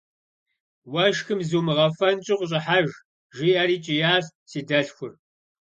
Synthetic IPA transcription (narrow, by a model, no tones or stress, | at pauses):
wɐʃxɨmzuːmɨʁɐfɐnt͡ʃʼɪqʷʊɕʼɪħaʒ | ʒiːaɾiːt͡ʃʼijaːssiːdɐɬxʷʊr